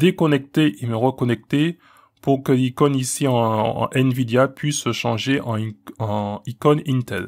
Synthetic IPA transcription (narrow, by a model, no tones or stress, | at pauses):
d̪ekɔnɛk̚t̪eʔeməʁəkɔnɛk̚t̪e | puʁkəlikɔnisiɑ̰̃ʔɛnvid̪eapɥisəʃɑ̃ʒeʔɑ̃ɑ̃ikɔnint̪ɛl